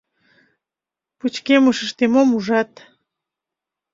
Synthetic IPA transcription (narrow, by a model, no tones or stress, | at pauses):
put͡ɕkeməʃə̆ʃt̪emomuʒɑt̪